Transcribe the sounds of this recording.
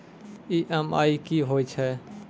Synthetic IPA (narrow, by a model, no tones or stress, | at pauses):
iʔɛma̰ːikiːɦoːit͡ʃʰɛ